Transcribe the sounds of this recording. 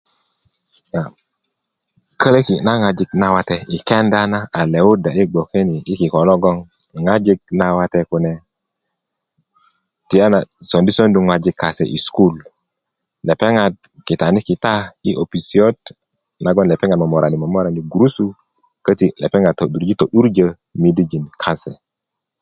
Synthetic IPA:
ja˨ | kə˦le˦ki˨na˦ŋa˨d͡ʒi˦kna˦wa˦te˦i˨ke˦nda˦na˦a˨le˨wu˦da˨i˦ɡ͡bo˨ke˦niː˨˦ki˨kɔ˨lo˦ɡɔ˦ŋ | ŋa˦d͡ʒi˦ɡ̚na˦wa˦te˦ku˨ne˨ | ti˨ja˦na˨so˨ndi˦so˦ndu˨ŋwa˨d͡ʒi˨kːa˨sḛ˨ʔḭ˨sku˦l | le˨pe˦ŋa˨d̚ki˨ta˨ni˦ki˨ta˦i˦ʔo˨pi˨si˨o˦t | na˨˦ɡo˦nle˨pe˦ŋa˨dmo˨mo˨ɾʔa˨ni˨mo˨mo˦ɾa˨ni˨ɡu˨ɾu˦su˦ | kə˦ti˦lḛ˨pe˦ŋa˨to˨ɗu˨ɾd͡ʒi˦to˨ɗu˦ɾd͡ʒə˦ | mi˦di˦d͡ʒi˨nkʰa˦se˨

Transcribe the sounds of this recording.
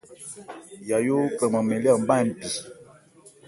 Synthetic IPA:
ja˨jo˦kə˨ma˨mɛ˨li˦a˦˨m˦ba˦˨n̩˨ti˨

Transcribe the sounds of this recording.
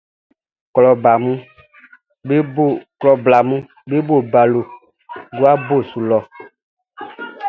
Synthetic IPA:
klɔ˨ba˨mũ˦ | bklɔ˨bla˨mũ˦ | be˦bo˦˨ba˨lo˨ | ɡo˦a˦bo˦˨su˨lɔ˨

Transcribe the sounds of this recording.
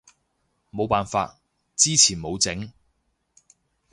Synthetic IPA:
mo˨˧wpaː˨nfa̰ː˧t̚ | t͡siː˥t͡sʰiː˨˩nmo˨˧wt͡sɪ˨˥ŋ

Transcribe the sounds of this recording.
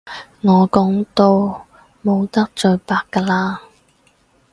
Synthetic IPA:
ŋɔː˨˧kɔː˨˥ŋt̪o˧w | mo˨˧wt̪ɐ˥k̚t͡ʃɵ˧ɥpaː˧kːaː˧laː˧

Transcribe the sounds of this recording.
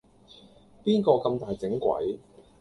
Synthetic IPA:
piː˥nkɔː˧kɐ˧mt̪aː˨jt͡sɪ˨˥ŋkʷɐ̰˨˥j

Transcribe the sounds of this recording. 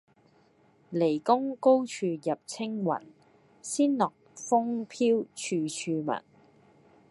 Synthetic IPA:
le˨˩jkʊ˥ŋko˥wt͡ʃʰyː˧jɐ˨p̚t͡sʰɪ˥ŋwɐ̰˨˩n | siː˥nlɔː˨k̚fʊ˥ŋpʰiː˥wt͡ʃʰyː˧t͡ʃʰyː˧mɐ̰˨˩n

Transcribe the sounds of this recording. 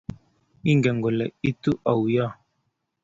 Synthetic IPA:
i˦ŋɡɛ˨ŋɡɔ˨lɛ˨i˦tu˦ʔa˨wja˦˨

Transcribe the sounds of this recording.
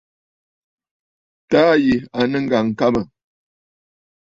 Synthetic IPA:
taː˦ji˨a˨nə˦ŋ̩˦˨ɡa˨ŋ̩˨ka˦mə˨

